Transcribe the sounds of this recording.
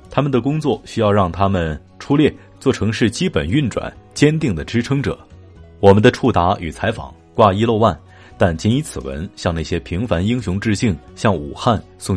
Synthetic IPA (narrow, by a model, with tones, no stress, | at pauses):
t̪ʰa˥mə˨nd̪ə˩kʊ˥ŋt͡swɔ˥˩ɕy˥jɑ˥˧ʊɻɑ˥˩ŋt̪ʰa˥mə˨n | ʈ͡ʂʰu˥ljɛ˥˩ | t͡swɔ˥˩ʈ͡ʂʰɤ˧˥ŋʂɻ̩˥˩t͡ɕi˥pə˨˩ny˥˩nʈ͡ʂwa̰˨˩˦nt͡ɕjɛ˥nt̪i˥˩ŋd̪ə˩ʈ͡ʂɻ̩˥ʈ͡ʂʰɤ˥ŋʈ͡ʂɤ̰˨˩˦ | wɔ˨˩mə˦nd̪ə˧ʈ͡ʂʰu˥˩t̪a˧˥y˨˩t͡sʰa˧˥ɪfɑ̰˨˩˦ŋ | kwa˥˧˩i˥lo˥˧ʊwa˥˩n | t̪a˥˩nt͡ɕi˧˥ni˧˥t͡sʰɹ̩˨˩wə̰˧˥nɕjɑ˥˧ŋna˥˩ɕjɛ˥pʰi˧˥ŋfa˧˥ni˥ŋɕʊ˧˥ŋʈ͡ʂɻ̩˥˧ɕi˥˩ŋɕjɑ˥˩ŋṵ˨˩xa˥˧n | sʊ˥˧ŋ